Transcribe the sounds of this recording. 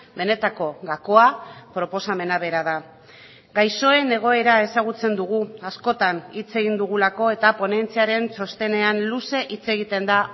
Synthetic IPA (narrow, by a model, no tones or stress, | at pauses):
be̞ne̞t̪ako̞ɣako̞apɾo̞po̞same̞naβe̞ɾað̞a | ɡajso̞e̞ne̞ɣ̞o̞e̞ɾae̞saɣ̞ut͡se̞nd̪uɣ̞uasko̞t̪anit͡se̞ɣind̪uɣ̞ulako̞e̞t̪apo̞ne̞nt͡siaɾe̞nso̞st̪e̞ne̞anluse̞ʔit͡se̞ɣ̞it̪e̞nd̪a